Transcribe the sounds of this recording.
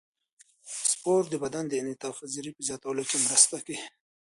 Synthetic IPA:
spoɾd̪əbad̪and̪ənit̪ɑfaziɾipəzjɑt̪awəlokemɾəst̪aki

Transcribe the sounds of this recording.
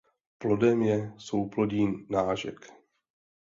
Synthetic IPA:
plo̞dɛmjɛsowploɟiːnːaːʒɛ̰k

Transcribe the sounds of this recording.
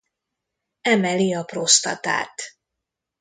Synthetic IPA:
ɛmɛliɒprost̪ɒt̪a̰ːt̪

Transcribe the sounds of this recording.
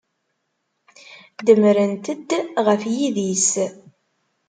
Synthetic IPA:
d̪əmɾənt̪əd̪ʁəfjiðis

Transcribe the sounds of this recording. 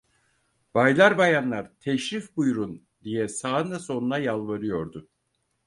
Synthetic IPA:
b̥ajlˠaɾbajanlˠaɾt̪ʰɛʃɾifbujɾun | d̪ijɛsaːɯnaso̞nunajalˠvaɾɯjo̞ɾd̪ʊ

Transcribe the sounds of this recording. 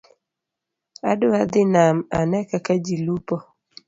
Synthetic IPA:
adʊad̪ɪnamanɛkakad͡ʒilupɔ

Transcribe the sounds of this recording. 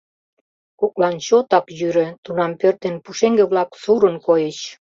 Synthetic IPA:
koklɑnt͡ɕot̪ɑkjyɾø̆t̪unɑmpørt̪enpuʃeŋɡĕβlɑksuɾə̆nkojet͡ɕ

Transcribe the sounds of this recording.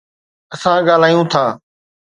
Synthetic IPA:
əsãɠaːl̤aːjũt̪ʰãː

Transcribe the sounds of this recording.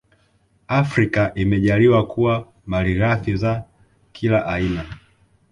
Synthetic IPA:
afɾikaʔimɛʄaliwakʰuwa | maliɾaθiza | kʰilaʔaina

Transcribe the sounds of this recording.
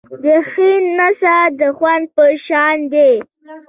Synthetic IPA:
d̪əxinːasad̪əxwand̪̚pəʃɑnd̪e

